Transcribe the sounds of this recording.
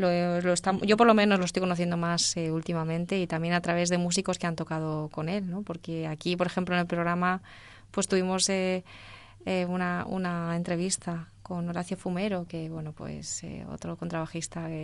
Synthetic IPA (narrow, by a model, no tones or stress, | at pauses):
loloest̪amʝo̞p̬o̞ɾlo̞mẽ̞no̞zlo̞st̪ojkonoθjend̪o̞maseult̪imamẽ̞nt̪e̞it̪amje̞nat̪ɾaβ̞e̞zðe̞mus̬iko̞ske̞ant̪o̞kað̞o̞ko̞ne̞lno̞po̞ɾke̞akipo̞ɾexe̞mplonelpɾo̞ɣɾama | pwe̞st̪uβimo̞se | eunaṵnae̞nt̪ɾe̞β̞ist̪ako̞no̞ɾaθjo̞fume̞ɾo̞ke̞βwe̞no̞pwe̞̰sḛo̰t̪ɾo̞ko̞nt̪ɾaβaxist̪ae